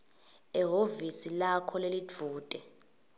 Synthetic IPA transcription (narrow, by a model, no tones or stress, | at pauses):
ɛɦovisilakʰɔlelid͡vʱuːtʼɛ